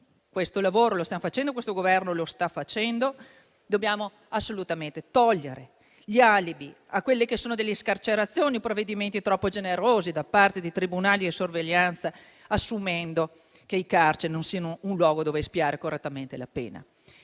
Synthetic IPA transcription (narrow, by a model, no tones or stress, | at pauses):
kwest̪olavoːɾolost̪jaofat͡ʃɛnd̪okwest̪oɡovɛrnolost̪afat͡ʃɛnd̪o | d̪objaːmo | asːolut̪ament̪et̪ɔʎːeɾe | ʎialibi | akːwelːekesːoːnod̪elːeskart͡ʃeɾat̪sːjoːniopɾovːed̪iment̪it̪ɾɔpːod͡ʒeneɾoːzid̪apːart̪ed̪it̪ɾibunaːliisorveʎːant̪sa | asːumɛnd̪o | keikart͡ʃenonsianounlwɔːɡod̪oːvespiaːɾekorːet̪ːament̪elapḛːna̰